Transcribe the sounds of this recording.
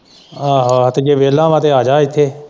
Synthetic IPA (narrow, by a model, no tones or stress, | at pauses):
aːɦɦt̪ɡeːʋeːlːãːʋãːt̪eːaːd͡ʒaːɪt̪ʰːeː